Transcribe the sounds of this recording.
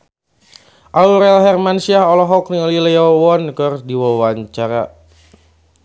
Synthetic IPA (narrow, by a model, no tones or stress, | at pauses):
ʔauɾɛlɦɛrmansiaɦɔlɔɦɔk̚niɔlilɛɔwɔnkərdiwawaɲt͡ʃaɾa̰